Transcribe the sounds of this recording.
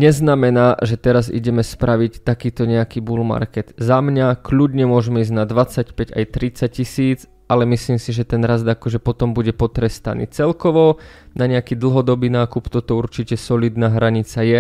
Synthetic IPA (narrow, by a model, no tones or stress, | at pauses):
ɲɛznamɛnaːʒɛt̪ɛɾazḭɟɛmɛspɾʔaʋict̪akiːt̪ɔɲɛakiːbulma̰ɾkɛd̪̥zamɲakluɟɲɛmʊɔʒɛmɛizɟnad̪ʋat͡sacpɛɟa̰jt̪ɾit͡sac̚cːisiːt͡s | alɛmisliːmsiʒɛt̪ɛnɾazd̪akɔʒɛpɔt̪ɔmbuɟɛpɔt̪ɾɛst̪a̰nḭːt͡sɛlkɔʋɔnaɲɛakiːd̪l̩ˠɦɔd̪ɔbiːnaːkupt̪ɔt̪ɔuɾt͡ʃicɛsɔliːd̪naːɦɾaɲit͡sajɛ